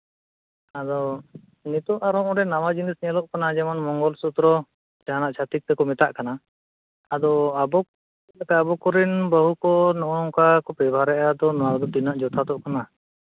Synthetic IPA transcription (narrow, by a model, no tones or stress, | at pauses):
ad̪ɔ | nit̪ɔaɾɔmɔɖɛnamad͡ʒinisnɛəlɔʔkanad͡ʒɛmɔnmɔŋɡɔlsut̪ɾɔ | d͡ʒaɦanaʔt͡ʃʰat̪ik̚t̪ɛkɔmɛt̪aʔkana | ad̪ɔabɔ | akaːbɔkɔɾinbəɦukɔnɔʔɔnɔŋkakɔpɛbʱaɾɛʔad̪ɔnɔad̪ɔd̪inaʔd͡ʒɔt̪ʰat̪ɔʔkana